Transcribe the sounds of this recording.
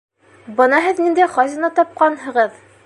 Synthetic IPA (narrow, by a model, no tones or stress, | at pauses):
bɤ̆nɑɦɘðnind̪æχɒzɤ̆nɑt̪ɒp̚qɑnɦɤ̆ʁɤð